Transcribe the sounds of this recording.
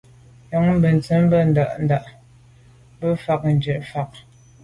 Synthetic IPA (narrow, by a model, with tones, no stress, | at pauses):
jɔ˨˦ŋm̩˦bə˨n˨t͡sə˨˦m˦bə˦n̩˨da˨ʔn̩˦da˨ʔ | bə˦fa˨k̚n̩˨d͡ʒə˨ʔfa˨k̚